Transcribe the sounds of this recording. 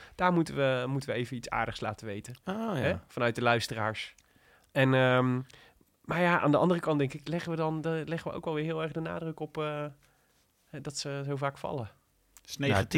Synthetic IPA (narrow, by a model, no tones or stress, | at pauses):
d̥aːɹmutəʋəmutəʋəejvənitsa̰ːɹdəχsla̰ːtəʋejtəɦɛfɑnœɥt̚dəlœɥstəraːɹs | ɛnəm | maːɹjaʔa̰ːndəɑ̰ndərəkɑndɛŋkɪklɛχəʋədɑndlɛχəʋəʔo̰wkʋɛlˠʋɪːɹɦɪːlˠɛɹχdəna̰ːdrɵkɔpː | hɛdɑtsəzowvaːkfɑ̰lə | net